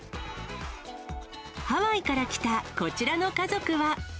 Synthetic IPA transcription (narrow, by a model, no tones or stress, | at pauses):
haβaikaɾakʲi̥t̪ako̞t͡ɕiɾano̞kazo̞kɯ̟βa